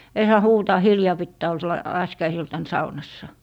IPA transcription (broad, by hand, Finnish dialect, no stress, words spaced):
ei sɑː huːtɑː hiljɑː pitːæː ol se l lɑskiɑisiltɑn sɑunɑsːɑ